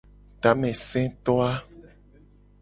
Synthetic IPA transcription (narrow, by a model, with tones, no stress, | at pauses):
t̪a˨˦mɛ̃˨sɛ̃˦t̪ɔ˦a˦